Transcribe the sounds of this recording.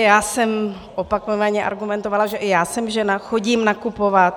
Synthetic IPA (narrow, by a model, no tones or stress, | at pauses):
jaːsɛm | ʔopakovaɲɛʔa̰ɾɡumɛnt̪ovalaʒɛʔɪjaːsɛmʒɛnaxoɟiːmnakupovat̪̚